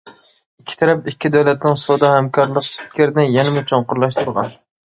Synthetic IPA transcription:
ikʲʰːi̥t̪ʰɛɾɛpikʲʰːid̪æwlɛt̪nɪŋsod̪ɑhɛmkʰɑɾlˠəqʃt̪̚kʲʰeɾɪnɪjɛnɪmut͡ʃʰoɴqʊɾlˠɑʃt̪ʰuɾʁɑ̰n

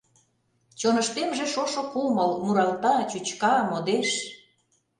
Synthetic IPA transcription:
t͡ɕonə̆ʃt̪emʒĕʃoʃokuməlmuɾɑlt̪ɑt͡ɕut͡ɕkɑmod̪eʃ

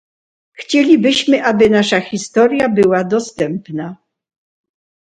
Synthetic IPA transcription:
xt͡ɕelʲibɘɕmɘʔabɘnaʂaxʲist̪ɔɾʲjabɘwad̪ɔst̪ɛmpna

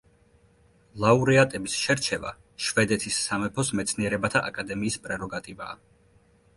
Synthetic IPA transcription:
lˠauɾɛat̪ʼɛbisʃɛɾt͡ʃʰɛva̰ | ʃvɛd̪ɛt̪ʰisːamɛpʰɔsmɛt̪sʰniɛɾɛbat̪ʰaʔakʼad̪ɛmiːspʼɾɛɾɔɡat̪ʼiva̰ː

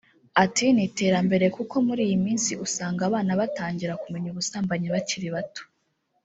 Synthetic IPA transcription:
atinite̞ːɾambe̞ɾe̞kuko̞muɾiːjimiːnsiʔusaːŋɡaβaːnaβataːɲɟiɾakume̞ɲuβusaːmbaɲeβaciɾiβato̥

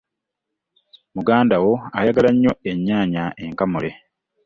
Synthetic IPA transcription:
muɡaːndawo̞ajaɡalaɲːo̞eɲːaːɲae̞ŋkamule̞

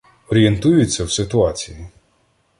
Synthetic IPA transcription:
ɔɾʲient̪ujʊt͡sʲːɐwsɪt̪ʊɑt͡sʲiji

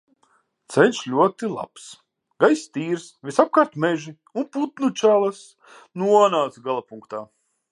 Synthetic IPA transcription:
t̪sɛnʲʃlʲuɔt̪ilˠa̰ps | ɡ̥ajst̪iːɾsvisap̚kaɾt̪mɛʒi | unput̪nut͡ʃaːlˠas | nuɔnaːt̪sɡalˠapuŋkt̪aː

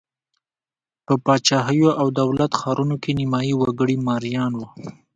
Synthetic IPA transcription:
pəpɑt͡ʃɑɦəjoʔawd̪awlat̪xɑɾunokenɪmɑjiwaɡəɽimɑɾjɑnwu

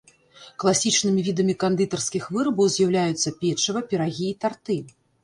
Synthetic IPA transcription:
klˠasʲit͡ʂnɨmʲivʲid̪ɐmʲikand̪ɨt̪ɐrskʲixvɨɾɐbɐwzʲjawlʲajut̪sːɐpʲɛt͡ʂɐvɐpʲɛɾaɣʲiːt̪art̪ɨ

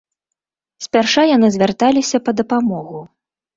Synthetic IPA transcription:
sʲpʲarʂajan̪ɨzʲvʲart̪alʲisʲɐpɐd̪ɐpamɔɣu

